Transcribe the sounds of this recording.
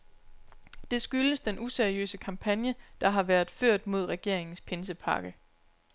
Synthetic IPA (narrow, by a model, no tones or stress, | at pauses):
d̥e̝sɡ̥yləsd̥enʔuseɐiø̰ːsəkʰɑ̈mpʰænjəd̥ɑ̈ɦɑ̈ʋæːɐð̩ˠføɐ̰d̥mo̝ð̞ˠʁɛɡ̥e̝ɐ̰e̝ŋn̩spʰe̝ns̬əpʰɑ̈ːɡ̥ə